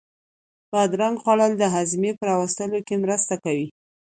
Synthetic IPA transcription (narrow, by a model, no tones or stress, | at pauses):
bad̪ɾaŋɡxɑlald̪əɦazmepəɾɑwəst̪əlokemɾəst̪akawi